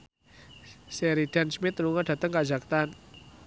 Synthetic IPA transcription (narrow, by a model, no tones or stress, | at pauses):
sɛɾiɖ̥ansmɪt̪ɾuŋaɖ̥a̤t̪əŋkḁd͡ʒa̤k̚t̪an